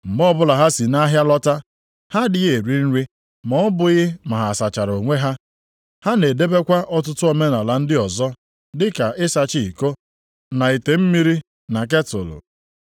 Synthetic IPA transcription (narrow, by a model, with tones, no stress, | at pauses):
m̩˨ɡ͡bɔ˦bʊ˦la˨ɦa˦si˨na˦ɦja˦lɔ˦ta˦ | ha˦dɪ˦ɣe˨ɾi˦n̩˦ɾi˦ | mɔ˨ɔ˦bʊ˨ɣɪ˦ma˨ɦa˨sa˨t͡ʃa˨ɾo˨ŋʷe˦ɦa˦ | ha˦ne˨de˦be˦kʷa˦ʔɔ˦t̬ʊ˦tʊ˦o˨me˦na˨la˨n̩˦dɪ˦ɔ˨zɔ˦ | dɪ˦ka˨ʔɪ˦sa˨t͡ʃi˦i˨ko˦ | na˨i˨te˨m̩˦mi˦ɾi˦ | na˨k̬e˦tʊ̰˨lʊ̰˨